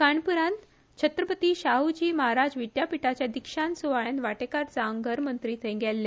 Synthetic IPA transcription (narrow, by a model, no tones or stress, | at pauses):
kaɳpuɾãnt̪ | t͡ɕʰət̪ɾəpət̪iːɕaɦud͡ʑiːməɦaɾad͡ʑʋiʈjapiʈat͡ɕjad̪ikʂansuʋaɭjãnʋaʈekaɾt͡saŋɡəɾmənt̪ɾiːt̪ʰə̃ɡɛlːe